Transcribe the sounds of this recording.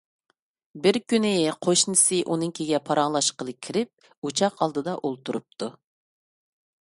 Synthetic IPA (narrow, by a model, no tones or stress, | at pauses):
bɪɾkʲynɪqʰoʃnɨsɨʔunɨŋkʲʰeɡʲɛpʰɑɾɑŋlˠɑʃqəlˠɨkʲʰːiɾɪp̚ | ut͡ʃʰɑqʰɑlˠd̪ɨd̪ɑʔolˠt̪ʰuɾup̚t̪ʰu